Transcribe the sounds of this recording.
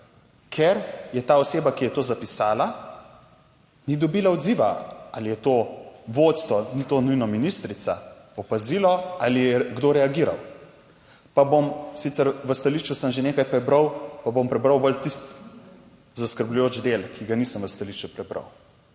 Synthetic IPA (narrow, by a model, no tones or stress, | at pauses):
kʰɛɾjɛt̪aːɔseːbakijɛt̪oːzapisaːla | nid̪ɔbilaɔd̪ziːʋa̰alijɛt̪oːʋoːt̪st̪ʋɔnit̪onujnɔminist̪ɾit̪saɔpazilɔalijɛɡd̪oɾɛaɡiːɾa̰w | pabomsit̪sɛɾʋəst̪aliʃt͡ʃusəmʒeneːkajpɾɛbɾəwpabompɾɛbɾəwbəlt̪ist̪ | zaskəɾblujoːt͡ʃd̪elkʰiɡanisəmʋəst̪aliʃt͡ʃupɾɛbɾa̰w